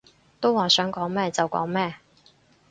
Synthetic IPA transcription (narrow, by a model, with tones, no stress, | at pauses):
t̪o˥waː˨sœː˨˥ŋkɔː˨˥ŋmɛː˥˩t͡sɐ˨wkɔ̰ː˨˥ŋmɛː˥˩